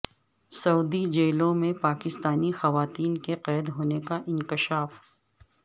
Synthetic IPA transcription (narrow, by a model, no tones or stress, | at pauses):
sɐuːd̪id͡ʒeːlõmẽpaːkɪst̪aːnixɐʋaːt̪iːnkeqɛːd̪ɦoːnekaʔɪ̃ŋkɪʃaːf